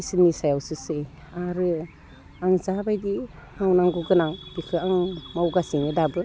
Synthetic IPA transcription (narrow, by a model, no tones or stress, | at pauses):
isinisajawsɯsɯj | aɾɯ | aŋzabajdi | hawnaŋɡuɡɯnaŋb̥ikʰɯaŋmawɡasiŋidabɯ